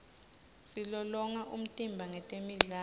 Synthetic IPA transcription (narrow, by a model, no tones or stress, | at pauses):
silɔlɔŋaʔum̩tʼimbʱaŋɛtʼemiɮaː